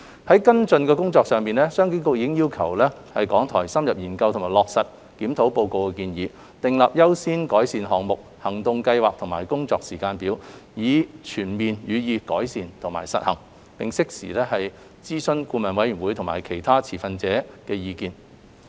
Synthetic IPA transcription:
hɐ˨˦jkɐ˥nt͡sɵ˧nkɛː˧kʊ˥ŋt͡sɔː˧ksœː˨˧ŋpiː˨nlɛː˥sœː˥ŋki˥ŋkʊ˥k̚jiː˧kɪ˥ŋjiː˥wkʰɐ̰˨˩wlɛː˥ | hɐ˨jkɔː˨˥ŋt̪ʰɔ̰ː˨˩jsɐ˥mjɐ˨p̚jiː˨˩nkɐ˧wt̪ʰmaː˨˩lɔː˨k̚sɐ˨t̚ | kiː˨˥mt̪ʰo˨˥wpo˧wko˨˧wkɛ˧kiː˧njiː˨˧ | t̪ɪ˨ŋlɐ˨p̚jɐ˥wsiː˥nkɔː˨˥jsiː˨nɦɔː˨kŋ̚mʊ˨k̚hɐ˨˩ŋt̪ʊ˧ŋkɐ˧jwaː˨k̚t̪ʰʊ˨˩ŋmaː˨˩jkʊ˥ŋt͡sɔː˧k̚siː˨˩kaː˧npiː˨˥wjiː˨˧t͡ʃʰyː˨˩nmiː˨njyː˨˧jiː˨˧kɔː˨˥jsiː˨nt̪ʰʊ˨˩ŋma̰ː˨˩jsɐ̰˨t̚hɐ̰˨˩ŋ | pɪ˨ŋsɪ˥k̚sḭː˨˩lɛː˥hɐ˨j | t͡siː˥sɵ˥˧nkuː˧mɐ˨nwɐ˨˧˥jɥyː˨˩nwu˨˧˥jt̪ʰma̰ː˨˩jkʰe˨˩jt̪ʰaː˥t͡sʰiː˨˩fɐ˧nt͡sɛː˨˥kɛː˧jiː˧kiː˧n

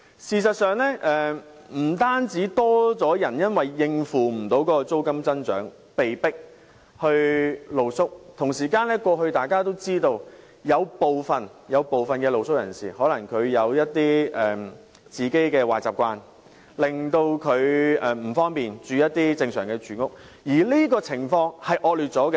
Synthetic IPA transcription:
siː˨s̬ɐ˨t̚sœː˨ŋlɛː˥ʔɛː˨ | m̩˨˩t̪aː˥nt͡siː˨˥t̪ɔː˥t͡sɔː˨˥jɐ˨˩njɐ˥nwɐ˨jːɪ˧ŋfuː˨˩m̩˨˩t̪o˨˥wkɔː˨˥kɔ˧t͡so˥wkɐ˥mt͡sɐ˥nt͡ʃœː˨˥ŋ | pe˨jpɪ˥k̚ | hɵ˧ɥlo˨˩wsʊ˥k̚t̪ʰʊ˨˩ŋsiː˨˩kaː˧nlɛː˥kʷɔː˧ɦɵ˧ɥt̪aː˨˩jkaː˥t̪o˥wt͡siː˥t̪o˧w | jɐ˨˧wpo˨wfɐ˨njɐ˨˧wpo˨wfɐ˨nkɛː˧lo˨wsʊ˥k̚jɐ˨˩nsḭː˨˩hɔː˨˥lɐ˨˩ŋkʰɵ˨˧ɥjɐ˨˧wjɐ˥t̚t̪ːiː˥ɛː˨ | t͡siː˨ke˥jkɛː˧waː˨t͡saː˨p̚kʷaː˧n | lɪ˨ŋt̪o˧wkʰɵ˨˧ɥɛ˨m̩˨˩fɔː˥ŋpiː˨nt͡ʃyː˨˧jɐ˥t̚t̪iː˥t͡sɪ˧ŋsœː˨˩ŋkɛː˧t͡ʃyː˨˥ŋʊ˥k̚ | jiː˨˩liː˥kɔː˧t͡sʰɪ˨˩ŋfɔː˧ŋhɐ˨jʔɔː˧lyː˨t̚t͡sɔː˨˥kɛ˧

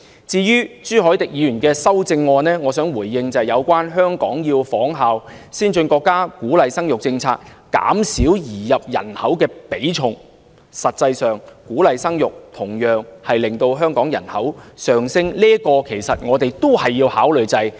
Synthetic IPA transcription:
t͡siː˧jyː˥t͡ʃyː˥ɦɔː˨˥jt̪ɪ˨k̚jiː˨˧jyː˨˩nkɛː˧sɐ˥wt͡sɪ˧ŋːɔː˧nɛː˥ŋɔː˨˧sœː˨˥ŋwuː˨˩jːɪ˧ŋt͡sɐ˨jɐ˨˧wkʷaː˥nɦœː˥ŋkɔ̰ː˨˥ŋjiː˧wfɔː˨˥ŋɦaː˨w | siː˥nt͡ʃɵ˧nkɔː˧kːaː˥kuː˨˥lɐ˨jsɐ˥ŋjʊ˨k̚t͡sɪ˧ŋt͡sʰaː˧k̚ka̰ː˨˥msiː˨˥wjiː˨˩jɐ˨p̚jɐ̰˨˩nhɐ˨˥wkɛː˧pe˨˥jt͡ʃʰʊ˨˩ŋ | sɐ˨t̚t͡sɐ˧jsœː˨ŋkuː˨˥lɐ˨jsɐ˥ŋjʊ˨k̚t̪ʰʊ˨˩ŋjœː˨ŋhɐ˨jlɪ˨ŋt̪o˧wɦœː˥ŋkɔː˨˥ŋjɐ̰˨˩nhɐ˨˥wsœː˨˩ŋsɪ˥ŋliː˥əkɔː˧kʰe˨˩jsɐ˨t̚ŋɔː˨˧t̪e˨jt̪o˥whɐ˨jːiː˧whaː˨˥wlɵ˨ɥt͡sɐ˧j

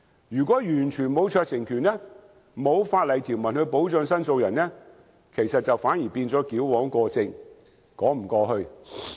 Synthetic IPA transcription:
jyː˨˩kʷɔː˨˥jyː˨˩nt͡ʃʰyː˨˩nmo˨˧wt͡ʃʰœː˧k̚sɪ˨˩ŋkʰyː˨˩nɛː˥ | mo˨˧wfaː˧t̚lɐ˨˩jt̪ʰiː˨˩wmɐ˨˩nhɵ˧ɥpo˨˥wt͡ʃœː˧ŋsɐ˥nso˧wjɐ˨˩nnɛː˥ | kʰe˨˩jsɐ˨t̚t͡sɐ˨wfaː˨˥njiː˨˩piː˧nt͡sɔː˨˥kiː˨˥wwɔː˨˥ŋkɔː˧t͡sɪ˨˧ŋ | kɔː˨˥m̩˨˩kɔː˧hɵ˧ɥ

